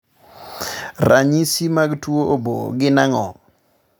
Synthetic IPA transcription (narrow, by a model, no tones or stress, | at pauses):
raɲisimaɡtuoobo̰ɡɪnaŋɔ̰